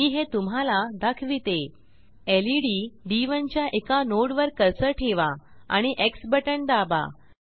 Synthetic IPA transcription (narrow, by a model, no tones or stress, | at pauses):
iɦet̪umɦalad̪akʰʋit̪e | eliɽiɖiʋənt͡ɕjaʔekanoɽʋəɾkəɾsəʈʰeʋaa̰ɽ̃iʔeksbəʈəɳd̪aba̰